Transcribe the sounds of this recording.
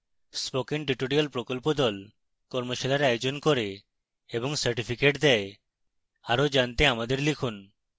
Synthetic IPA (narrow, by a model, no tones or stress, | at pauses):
spokiŋʈiʈoɾialpɾokɔlpod̪ɔl | kɔɾmoʃilaɾajod͡ʒonkoɾeː | bɔŋsaɾʈipʰikeʈd̪ɛe | aɾod͡ʒant̪eamad̪eɾlikʰun